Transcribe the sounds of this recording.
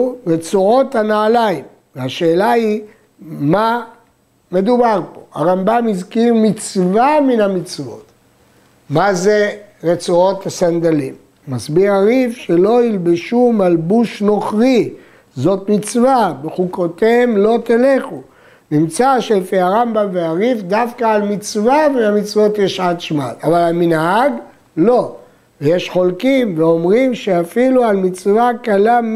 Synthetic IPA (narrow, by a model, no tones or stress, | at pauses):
ʁet͡suo̞tanaːlaim | veaʃe̞ːlai | ma | me̞d̪ubaʁpo̞̰a̰ʁambamizkiʁmit͡svaminhamit͡svo̞̰t̪ | mazeʁet͡suot̪hasand̪alimː | asbiʁaʁifʃelo̞ilbeʃumalbuʃno̞χʁi | zo̞t̪mit͡svabeχukot̪emlo̞t̪eleχu | nimt͡saʃelfiaʁambamveaʁifd̪afkaːlmit͡svamiamit͡svo̞t̪jeʃad̪ʃmalavalaminɦaɡ | lo̞ | vejeʃχo̞lkimveo̞mʁimʃeafilualmit͡svakala